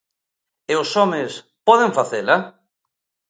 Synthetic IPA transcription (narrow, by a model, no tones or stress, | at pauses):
eʊsɔmɪs | pɔðɪɱfaθela